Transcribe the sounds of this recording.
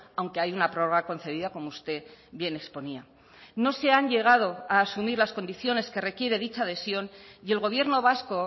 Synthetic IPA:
awŋke̞ajunapɾo̞roɣako̞n̟θe̞ðiðako̞moust̪e̞bje̞ne̞kspo̞nia | no̞se̞anʎe̞ɣ̞að̞o̞aːsumiɾlasko̞nd̪iθjo̞ne̞ske̞re̞kje̞ɾe̞ðit͡ʃaːð̞e̞sjo̞nie̞lɣo̞β̞je̞ɾno̞β̞asko̞

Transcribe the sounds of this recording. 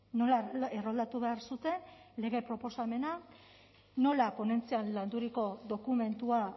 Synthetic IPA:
no̞laerold̪at̪uβe̞aɾsut̪e̞nle̞ɣe̞pɾo̞po̞same̞na | no̞lapo̞ne̞nt͡sianland̪uɾiko̞ðo̞kume̞nt̪ua

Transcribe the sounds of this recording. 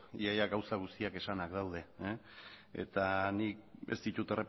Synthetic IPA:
iajaɡawsaɣ̞ust̪iake̞sanakd̪awð̞e̞ | ḛt̪anik̚ḛst̪it̪ut̪erep

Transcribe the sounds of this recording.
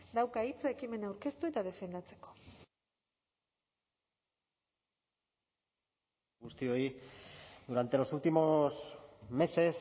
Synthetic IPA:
d̪awkait͡sae̞kime̞nawɾke̞st̪uet̪aðe̞fe̞nd̪at͡se̞̥ko̞̥ | ɡust̪io̞i | d̪uɾant̪e̞lo̞sult̪imo̞sme̞se̞s

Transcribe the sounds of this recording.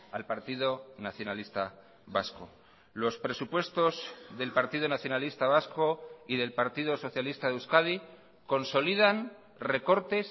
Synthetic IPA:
alpaɾt̪iðo̞naθjo̞nalist̪a | βa̰sko̞̰ | lo̞spɾe̞supwe̞st̪o̞zðe̞lpaɾt̪ið̞onaθjo̞nalist̪aβ̞asko̞iðe̞lpaɾt̪iðoso̞θjalist̪aðeuskað̞i | ko̞nso̞lið̞an | re̞ko̞ɾt̪e̞s

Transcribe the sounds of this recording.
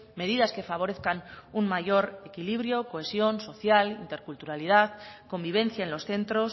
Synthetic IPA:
me̞ð̞iðaske̞faβ̞o̞ɾe̞θkanunmaʝo̞ɾe̞kiliβɾjo̞koe̞sjo̞nso̞θjalint̪e̞ɾkult̪uɾalið̞aðko̞mbiβ̞e̞n̟θjaenlo̞sθe̞nt̪ɾo̞s

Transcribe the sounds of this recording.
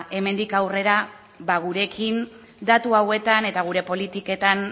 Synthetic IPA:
ʔe̞me̞nd̪ikawre̞ɾa | baɣ̞uɾe̞kʰin | d̪at̪uawe̞t̪ane̞t̪aɣ̞uɾe̞po̞lit̪ike̞t̪an

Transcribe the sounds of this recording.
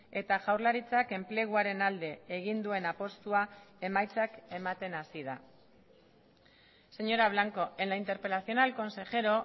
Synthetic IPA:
e̞t̪aʝawɾlaɾit͡sake̞mple̞ɣ̞uaɾe̞nald̪e̞ːɣind̪ue̞napo̞st̪uae̞majt͡sake̞mat̪e̞nasiða̰ | se̞ɲo̞ɾaβ̞laŋko̞enaint̪e̞ɾpe̞laθio̞nalko̞nse̞ʝe̞ɾo̞

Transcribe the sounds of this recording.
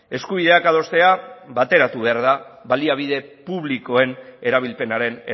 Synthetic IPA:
e̞skuβ̞iðe̞akað̞o̞st̪e̞aβat̪e̞ɾat̪uβe̞aɾðaβaliaβ̞iðe̞puβliko̞e̞ne̞ɾaβ̞ilpe̞naɾe̞ne

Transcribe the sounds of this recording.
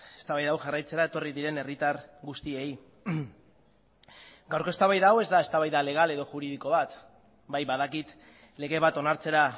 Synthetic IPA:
e̞st̪aβajðawʝarajt͡se̞ɾae̞t̪o̞riðiɾe̞ne̞rit̪aɾɣust̪ie̞j | ɡawɾkoe̞st̪aβajðawe̞zd̪ae̞st̪aβajðale̞ɣ̞ale̞ðo̞ʝuɾiðiko̞β̞at̪ | bajβaðakit̪ | le̞ɣe̞β̞at̪o̞naɾt͡se̞ɾa

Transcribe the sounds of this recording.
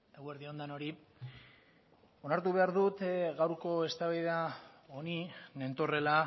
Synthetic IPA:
eɣweɾðio̞nd̪ano̞ɾi | o̞naɾt̪uβe̞aɾðut̪ɣawɾko̞e̞st̪aβeðeao̞nine̞nt̪o̞re̞la

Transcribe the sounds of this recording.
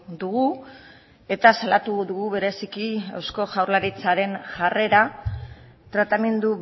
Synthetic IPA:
d̪uɣu | e̞t̪asalat̪uðuɣuβe̞ɾe̞sikiewsko̞ʝawɾlaɾit͡saɾe̞nʝare̞ɾa | t̪ɾat̪ame̞nd̪u

